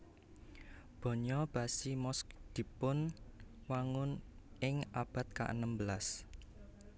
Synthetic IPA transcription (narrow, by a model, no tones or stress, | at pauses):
b̥ɔ̤ɲɔb̥a̤simɔsk̚d̪̥i̤pʊnwaŋʊnɪŋab̥a̤t̪̚ka̰ʔə̰nəmbəlas